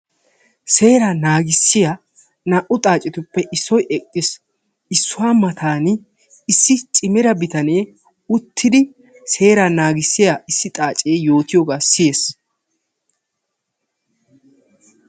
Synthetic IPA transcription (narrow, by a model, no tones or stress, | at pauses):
se̞ːɾaːnaːɡɪsːɪja | naʔʊt̪ʼaːt͡ʃʼːɪt̪ʊpːɛʔɪsːɔjʔɛkʼːɪs | ɪsːʊwaːmɐt̪ʰaːnɪ | ɪsːɪt͡ʃʼɪmɪɾɐbɪt̪ɐneː | ʊt̪ʰːɪd̪ɪ | se̞ːɾaːnaːɡɪsːɪjaɪsːɪt̪ʼaːt͡ʃʼeːjo̞ːt̪ɪjoːɡaːsɪje̞ːs